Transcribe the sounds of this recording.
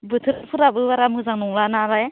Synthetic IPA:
bɯt̪ʰɯɾapʰɯɾabɯwaɾamɯzaŋnɔŋlanaɾaj

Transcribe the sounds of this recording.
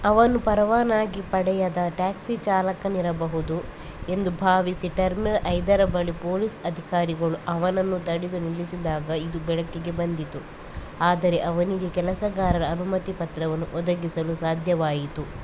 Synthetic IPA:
ɐʋɐnupɐɾɐʋaːnaːɡipɐɽɛjɐd̪ɐʈaːksit͡ʃaːlɐkɐniɾɐbɐɦud̪u | e̞nd̪ubʱaːʋisiʈɐɾminɐɭʔɐjd̪ɐɾɐbɐɭipoːlisɐd̪ʱikaːɾiɡɐɭuʔɐʋɐnɐnːut̪ɐɽid̪unilːisid̪aːɡɐid̪ubɛɭɐkːiɡe̞bɐnd̪it̪u | aːd̪ɐɾe̞ʔɐʋɐniɡekɛlɐsɐɡaːɾɐɾɐːnumɐt̪ipɐt̪ɾɐʋɐnːuʔɔd̪ɐɡisɐlusaːd̪ʱjɐʋaːjit̪u

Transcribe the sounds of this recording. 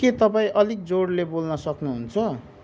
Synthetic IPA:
ket̪ʌpãĩʔʌlik̚d͡zoɽlebolnʌsʌknuɦunt͡sʰʌ

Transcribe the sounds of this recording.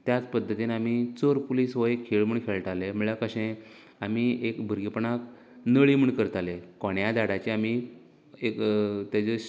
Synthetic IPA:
t̪jat͡spəd̪ʱːət̪iːnamit͡soɾpuliːsʋəekʰːeɭməɳkʰeɭʈaleməɭakəɕẽ | amiekbʱəɾɡipɳak | nəɭiməɳkəɾt̪alekoɳjad̪aɽat͡ɕeami | ekt̪jat͡se

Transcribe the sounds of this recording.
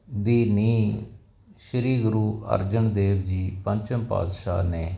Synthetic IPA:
d̪iːniː | ʃəɾiːɡʊɾuːʔə̰ɾd͡ʒəɳd̪eːʋd͡ʒiːpəɲt͡ʃəmpa̰ːd̪ʃa̰ːneː

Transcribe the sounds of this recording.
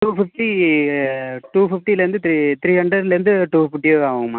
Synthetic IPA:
ʈuːfɪfʈi | ʈuːfɪfʈilɐɾɪnd̪ɯt̪ɾit̪ɪɾiːɐɳɖɐɾlɾɯnd̪ɯʈuːfɪfʈːiaːʋɯŋɡɐmːa̰ː

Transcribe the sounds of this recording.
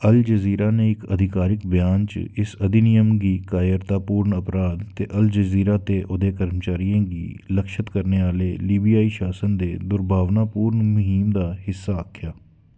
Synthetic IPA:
əld͡ʒəziːɾaːneːɪkəd̪ʱɪkaːɾɪkbjaːnt͡ʃɪsəd̪inɪjəmɡiːkaːjəɾt̪aːpuːɾɳəpɾaːd̪t̪ḛːʔəld͡ʒəziːɾaːt̪eːʔʊd̪eːkəɾmt͡ʃaːɾijãːɡḭːləkʃət̪kəɾneːaːleːliːbijaːiːʃaːsənd̪eːd̪ʊɾbʱaːʋnaːpuːɾnmʊɦiːmd̪aːhɪsːaːəːkʰjaː

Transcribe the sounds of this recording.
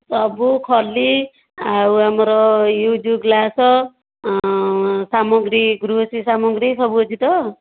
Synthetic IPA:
sʌbukʰʌlːi | auɦamɾɔjud͡zuɡlasʌ | samɔɡɾiɡɾusisamɔɡɾisʌbud͡zʰit̪ʌ

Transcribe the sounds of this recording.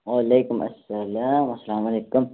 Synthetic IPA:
waleːkʊmʔɐ̰sːɐlaːmɐsːɐlaːmɐleːkʊm

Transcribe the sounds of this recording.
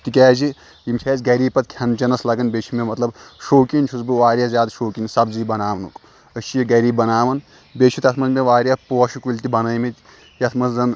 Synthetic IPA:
t̪ikʲaːzi | jimt͡ʃʰɛːzɡɐɾiːbpɐt̪̚kʲʰɐnt͡ʃɐnɐslɐɡɐnbet͡ʃʰi̥memɐt̪lɐbʃoːkinʲt͡ʃʰuzbɨʋaːɾʲjazʲjaːd̪ʃoːkinsɐbziːbɐnaːʋɐnuk | əʃijiɡɐɾiːbbːɐnaːʋɐn | bet͡ʃʰit̪ɐt̪ʰmɐzmeʋaːɾʲjapoːʃikulʲt̪ibɐnɐjmit̪ʲ | jɐt̪ʰmɐzzɐn

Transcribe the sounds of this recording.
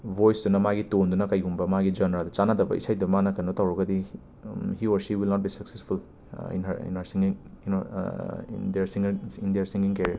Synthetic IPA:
bojsdunɐmaɡitondunɐkɐjɡumbɐmaɡid͡ʒɐnɾadɐt͡ʃanadɐbɐ̰ʔḭsajdɐmanɐkɐnotɐwɾɐɡɐdi | hiɔɾʃiwilnɔt̚bisɐksespʰul | ḭnɦɐɾḭnɐɾsiŋiŋin̰ | ndeɾsiŋindeɾsĩŋɡiŋkeɾiɐɾ

